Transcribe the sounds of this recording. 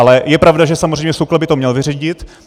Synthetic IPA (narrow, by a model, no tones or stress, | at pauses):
alɛjɛpɾavdaʒɛsamozreɛjmɲɛsuklɛbɪt̪o̞mɲɛlvɪriɟɪt̪